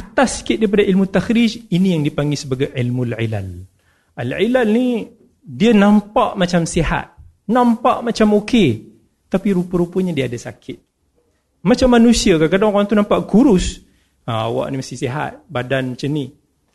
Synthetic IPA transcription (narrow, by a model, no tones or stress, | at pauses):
at̪asi̥kɪt̪̚daip̬adaʔilmut̪axɾid͡ʒinijaŋdipaŋɡisəbaɡajʕilmulʕila̰l | ʔalʕilalni | dianãmpaʔmat͡ʃamseɦa̰t̪̚ | nãmpaʔmat͡ʃamoke | t̪apiɾupəɾupəɲadiaːdasakʰɪt̪̚ | mat͡ʃamːanũsiakakadaŋɣaŋt̪unãmpaʔkuɾʊs | əa̰wa̰ʔnimast̪iseɦa̰t̪̚badanmat͡ʃamni